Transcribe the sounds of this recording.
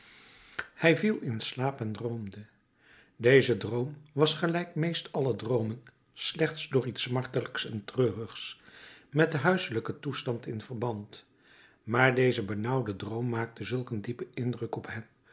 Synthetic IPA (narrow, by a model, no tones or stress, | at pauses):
hɛjvilˠɪnslaːpɛndrowmdə | dejzədrowmʋɑsχəlɛjkmejstɑlədrowmən | slɛχtsdʊːɹitsmɑɹtələksɛntrøːrəχsmɛtəɦœɥsələkətustɑntɪnv̥əɹbɑnt | maːɹdejzəbənʌwdədrowmːaːk̚təzɵlˠkəndipəɪndrəkɔpɦɛm